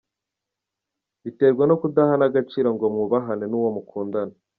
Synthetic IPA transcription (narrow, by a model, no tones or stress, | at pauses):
βite̞ːɾɡweno̞kudahanaɡat͡ʃiːɾaŋɡo̞mŋuβaɦanenuːwo̞mukʰuːndana